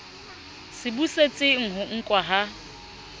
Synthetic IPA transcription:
sɪbuset͡sʼɪŋ̩ɦʊŋ̩kʼwaɦa

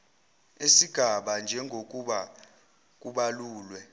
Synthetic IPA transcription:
esiɡ̥ʱaɓand͡ʒʱɛŋʱok̬ʼuɓa | k̬ʼuɓaluːlwɛ

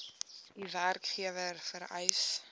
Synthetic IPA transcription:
diværkχiəvərfəɾɛjs

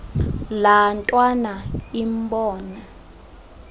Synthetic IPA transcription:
lantʼwanaimbɔːna

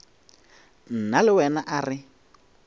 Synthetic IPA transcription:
n̩nalɪwɛnaʔarɪ

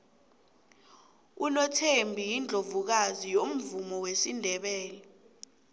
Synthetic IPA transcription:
ulɔtʰembʱijind͡ɮʱovuk̬azijom̩vumɔwesindʱɛɓɛːlɛ

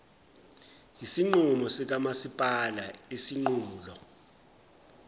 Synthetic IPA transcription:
jisiŋ͡ǃumɔsik̬amasipʼalaesiŋ͡ǃuːulɔ

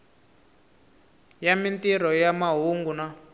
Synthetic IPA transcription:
jamintiɾɔjamaɦuŋɡuna

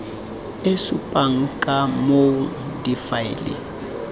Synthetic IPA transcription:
esupʼaŋ̩kʼamo | difailḭ

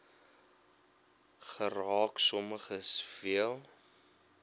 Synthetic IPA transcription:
χərɑːksɔməχəsfiəlˠ

